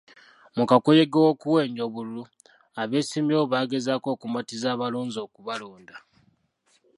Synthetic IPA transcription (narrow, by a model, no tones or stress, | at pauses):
mukakojeɡewokuwe̞ːɲɟo̞βululu | aβe̞ːsimjo̞ːβaːɡe̞zaːko̞ːkumatizaːβaluːnzo̞ːkuβalo̞ːnda